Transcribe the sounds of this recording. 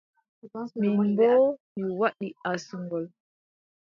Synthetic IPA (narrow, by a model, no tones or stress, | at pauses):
mibɔmiwaɗiasuŋɡɔl